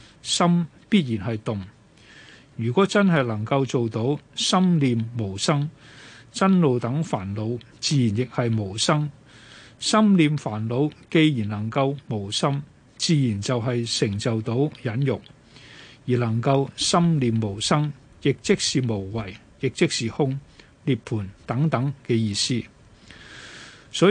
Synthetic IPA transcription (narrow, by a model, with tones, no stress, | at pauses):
sɐ˥m | piː˥t̚jiː˨˩nɦɐ˨jt̪ʊ˨ŋ | ɥyː˨˩kʷɔː˨˥t͡sɐ˥nɦɐ˨jlɐ˨˩ŋkɐ˧wt͡so˨wt̪o˨˥wsɐ˥mliː˨˧mːo˨˩wsɐ˥ŋt͡sɐ˥nlo˨wt̪ɐ˨˥ŋfaː˨˩nlo˨˧wt͡siː˨˧ji˨˩njɪ˨k̚hɐ˨jmo˨˩wsɐ˥ŋ | sɐ˥mliː˨mfaː˨˩nlo˨˧wke˧jjiː˨˩nlɐ˨˩ŋkɐ˧wmo˨˩wsɐ˥m | t͡siː˨˧jiː˨˩nt͡sɐ˨wɦɐ˨jsɪ˨˩ŋt͡sɐ˨wt̪o˨˥wjɐ˨˥njʊ˨k̚ | jiː˨˩lɐ˨˩ŋkɐ˧wsɐ˥mliː˨mːo˨˩wsɐ˥ŋ | jɪ˨k̚t͡sɪ˥k̚siː˨mo˨˩wwɐ˨˩j | jɪ˨k̚t͡sɪ˥k̚siː˨hʊ˥ŋ | liː˨˧pʰuː˨˩nt̪ɐ˨˥ŋt̪ɐ˨˥ŋkɛː˧jiː˧siː˥ | sɔː˨˥